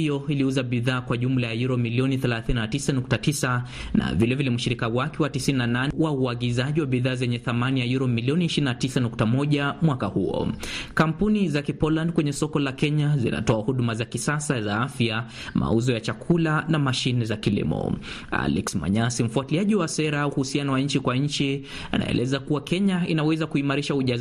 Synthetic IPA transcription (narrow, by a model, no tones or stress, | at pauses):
ijɔiliuzaɓiðaːkwaʄum̩lajajuɾɔmiliɔniθɛlaθininatisanuk̚tatisa | na̰vilɛvilɛmuʃiɾikawakɛwatisininananwauaɡizaʄiwaɓiðaːzɛɲɛθamanijajuɾɔmiliɔniːʃiɾinatisanuktamɔʄamwakahuɔ̰kam̩punizakipɔland̚kwɛɲɛsɔkɔlakɛɲazḭna̰tɔahuɗumazakisasazaafja | ma̰uzɔjat͡ʃakʰulanamaʃinɛzakilḭmɔ̰ | a̰lɛksma̰ɲasim̩fuatiliaʄiwasɛɾauhusianawaɲ̩t͡ʃikwaɲ̩t͡ʃi | a̰na̰ɛ̰lʔɛzakuwakɛɲainawɛzakuimaɾiʃauʄaz